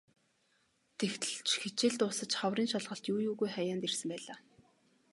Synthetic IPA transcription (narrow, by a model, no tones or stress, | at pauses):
t̪ʰext̪ɘ̆ɮt͡ɕxet͡ɕɪ̆ɮt̪ʊːsə̆t͡ɕχawriːnʃaɮʁə̆ɬt̪juːjuːɣujχæjaːnt̪ersɘ̆mpæːɮaː